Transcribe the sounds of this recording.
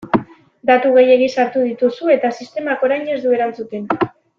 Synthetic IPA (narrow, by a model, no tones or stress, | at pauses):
d̪at̪uɣe̞je̞ɣ̞isaɾt̪uðit̪usue̞t̪asist̪e̞mako̞ɾajɲe̞zd̪ue̞ɾant͡sut̪e̞n